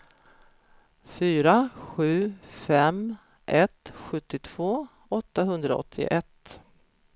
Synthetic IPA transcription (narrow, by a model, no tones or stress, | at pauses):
fyːɾaɧʉ̟ːfɛm | ʔɛt̪ɧɵt̪ːɪt̪ʰv̥oː | ɔt̪ːaɦɵnd̪ɾaɔ̰t̪ʰːɪ̰ʔɛt̪ː